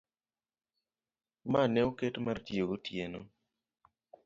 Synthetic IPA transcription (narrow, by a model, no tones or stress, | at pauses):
manɛoketmartjeɡotjeno̰